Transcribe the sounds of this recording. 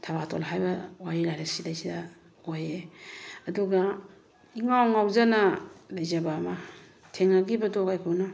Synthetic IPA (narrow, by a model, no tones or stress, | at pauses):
tʰaβatʰolɦajbɐwaɾilajɾasidasida | ojeɐduɡa | iŋawŋawzanɐlɐjzɐbaːma | tʰeŋaɡibɐdokajkʰɯnɔ